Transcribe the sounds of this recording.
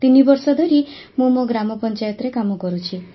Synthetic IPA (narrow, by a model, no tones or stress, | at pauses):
t̪inibɔɾsɔd̪ʱɔɾimũmoɡɾamɔpɔnt͡ʃajɔt̪ɾekamɔkɔɾut͡ʃʰi